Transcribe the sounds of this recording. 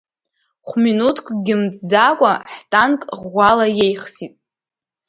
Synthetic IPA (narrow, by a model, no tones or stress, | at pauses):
χʷminutʰkʷʰʼɡʲɪmd͡zd͡zakʷʼaħtʼankʼʁːʷalajejχsitʼ